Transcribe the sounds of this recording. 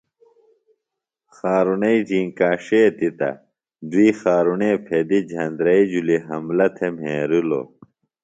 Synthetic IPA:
xaːɾunɐid͡ʑiːŋkaːʂeːt̪it̪ɐ̰ | d̪uiːxaːɾuneːpʰed̪id͡ʑʱɐnd̪ɾɐid͡ʑuliɦɐmlɐt̪ʰemɦeːɾulo̰

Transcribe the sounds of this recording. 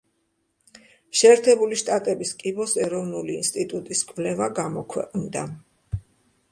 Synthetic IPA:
ʃɛːɾt̪ʰɛbuliʃt̪ʼat̪ʼɛbiskʼibɔsɛɾɔvnuliːnst̪ʼit̪ʼut̪ʼiskʼvlɛvaɡamɔkʰwɛ̰qʼnd̪a

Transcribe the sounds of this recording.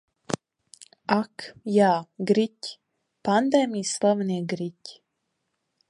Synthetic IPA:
akjaːɡɾitʲ | pand̪ajmislaʋneɡɾic

